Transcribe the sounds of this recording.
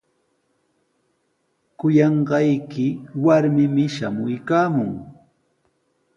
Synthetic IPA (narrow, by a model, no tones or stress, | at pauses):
kʊjɑɴɢɑjkɪwaɾmɪmɪʃamʊjkaːmʊŋ